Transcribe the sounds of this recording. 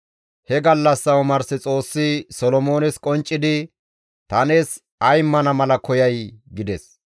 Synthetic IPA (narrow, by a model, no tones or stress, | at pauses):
hɛɡɐlːɐsːɐwʊmɐɾsɪt͡sʼo̞ːsːɪsɔlɔmo̞ːnɛskʼɔnt͡ʃʼːɪd̪ɪ | t̪ɐne̞ːs | ɐjmːɐnɐmɐlɐkɔjɐjɡɪd̪ɛs